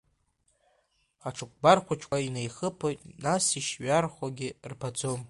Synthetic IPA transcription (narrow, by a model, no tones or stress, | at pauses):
aʈ͡ʂʰɨk̚ʷbarkʷʰat͡ʃʰʼainejχəpʰojtʼnasiʃɥarχʷaɡʲɪrpʰad͡zom